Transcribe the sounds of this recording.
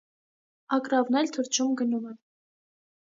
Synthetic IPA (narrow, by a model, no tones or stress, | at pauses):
ɑkɾɑvnɛlt̪ʰəɾt͡ʃʰumɡənumɛ